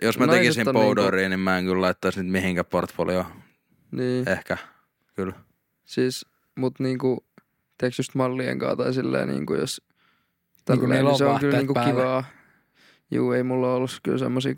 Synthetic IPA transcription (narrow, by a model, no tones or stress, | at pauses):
josmætnekissimːɑnpoudoːɾiːnimmæeŋkyllɑit̪ːɑisnyt̪mihiŋkæport̪fo̰lio | niːehkæ | kyl | siːs | mut̪niːŋku | t̪eksjyst̪mɑlːiḛŋkɑ̰ːt̪ɑisilːḛinḭːŋkujo̰s | t̪ælːseoŋkylniːkukiʋɑː | jṵːeimulːɑolːuskylsḛmːosḭː